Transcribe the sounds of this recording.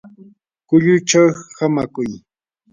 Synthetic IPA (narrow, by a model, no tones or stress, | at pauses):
kʊʎʊt͡ʃawhamakʊj